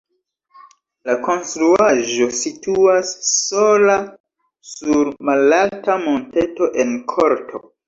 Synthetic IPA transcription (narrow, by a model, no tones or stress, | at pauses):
lako̞nstɾuaʒo̞situasːola | suɾmalaltamonte̞to̞ʔe̞nkʰo̞ɾtʰo̞̰